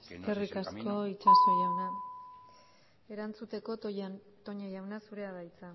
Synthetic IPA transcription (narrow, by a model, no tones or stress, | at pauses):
eske̞rikasko̞it͡ʃasujana | e̞ɾant͡sut̪e̞ko̞ | t̪o̞ɲejawnasuɾe̞aðajt͡sa